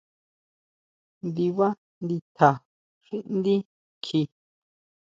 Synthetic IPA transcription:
nd̪i˧βa˦ | nd̪i˧t̪ʰa˨ | ʂĩ˦ʔnd̪i˦ | kʰi˧

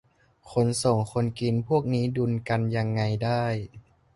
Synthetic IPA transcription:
kʰo˧nso˨˩ŋkʰo˧nki˧npʰu˥˩ək̚niː˦˥du˧nka˧nja˧ŋːa˧jdaː˥˩j

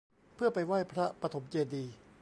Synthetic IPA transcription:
pʰɯ˥˩ɐpa˧jwa˥˩jpʰɾa˦˥pɾa˧t̪ʰo˩˦mt͡ɕeː˧diː˧

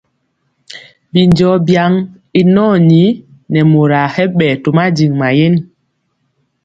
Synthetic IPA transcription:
bi˨nd͡ʒɔ˨˦bja˨˦ŋ | i˨nɔ˦˨ɲi˨˦ | nɛ˨mo˨ɾa˨hɛ˦ɓɛ˨to˨ma˦d͡ʒi˨ŋma˨je˦n

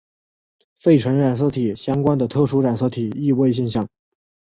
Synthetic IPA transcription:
fe˥˩ɪʈ͡ʂʰə˧˥nɻa˨˩ns̬ɤ˥˩t̪ʰi˨˩ɕjɑ˥ŋkwa˥nd̪ə˨t̪ʰɤ˥˩ʂu˥ɻa˨˩nsɤ˥˩t̪ʰi˨˩i˥˧we˥˧ɪɕ̬ɛ˥˧nɕ̬jɑ˥˩ŋ

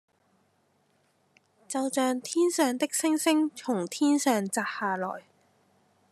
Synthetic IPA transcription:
t͡sɐ˨wt͡ʃœː˨ŋt̪ʰiː˥nsœː˨ŋt̪ɪ˥k̚sɪ˥ŋsɪ˥ŋt͡sʰʊ˨˩ŋt̪ʰiː˥nsœː˨ŋt͡saː˨˩t̚haː˨lɔ̰ː˨˩j

